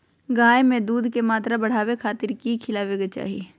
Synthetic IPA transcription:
ɡaːemẽd̪uːd̪ʱkemaːt̪ɾabɐɽ̤aːwekʰaːt̪ɪɾkikʰɪlaʋeɡet͡ʃa̰ːɦieː

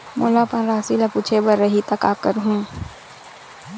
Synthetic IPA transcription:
mʊlapə̃nɾaːsilapuːt͡ʃʰebɐɾːəɦit̪ɐka̰ːkəɾɦũː

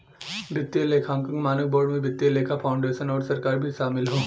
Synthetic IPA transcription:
bɪt̪ːjeleːkʰãːŋkə̃ŋɡmaːnək̚bɔːɾɖmẽbɪt̪ːjeleːkʰapʰaːʊ̃ɳɖeːʃənɔːɾsɐɾkaːɾbʱiʃaːmɪlɦoː

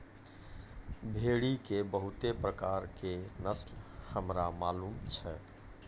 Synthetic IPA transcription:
bʱeɽikebəɦut̪epɾəkaɾkenəslhəmɾamalumt͡ʃʰɛ

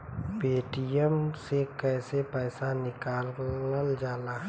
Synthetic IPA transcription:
peːʈijəmsekɛːsepɛːsanɪkaːləld͡ʒaːlaː

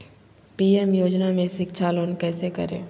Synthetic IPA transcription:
piːɛmjoːd͡ʒnamẽsɪkʃʰaloːnkɛːsekɐ̰ɾḛ̃ː

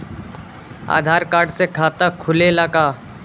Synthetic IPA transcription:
a̰ːd̪ʱaːɾkaːɾɖsekʰaːt̪akʰʊlelakaː

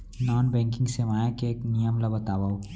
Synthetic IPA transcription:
nɔːnbɛ̃ːŋkɪ̃ŋɡsemaːjakeeːknijəmlɐbɐt̪aːʋaːo

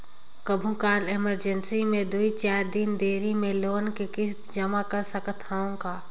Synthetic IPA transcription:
kəbʱũkaːlɪməɾd͡ʒənsimẽd̪uit͡ʃaːɾd̪ɪnd̪eːɾimẽloːnkekɪs | d͡ʒɐmakəɾsəkət̪ʰaːõkaː

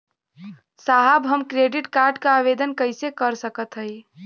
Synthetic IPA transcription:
saɦabɦəmkɾeɖiʈkaɾɖkaaβed̪ənkəɪsekəɾsəkət̪ɦəj

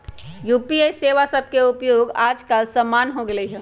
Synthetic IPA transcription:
juːpieseʋasəb̚ʱkeʊpjoːɡaːd͡ʒkalsəmːaːnɦoɡɐeɦɛː

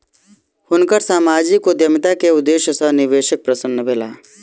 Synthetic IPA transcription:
hʊnkəɾsaːmaːd͡ʒikod̪jəmɪt̪akeʊd̪ːeːʃjəsənɪʋeːʃək̚pɾɐsənːəbʱeːla̰ː

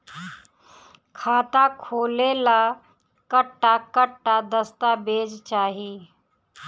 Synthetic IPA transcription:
kʰaːt̪akʰoːlela | kəʈːakəʈːad̪əst̪abeːd͡ʒt͡ʃaːɦiː

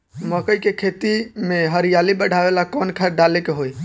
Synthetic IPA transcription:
məkəjkekʰet̪imeɦəɾijalibəɽ̤ʱaʋelakɔnkʰəɖalekeɦoj

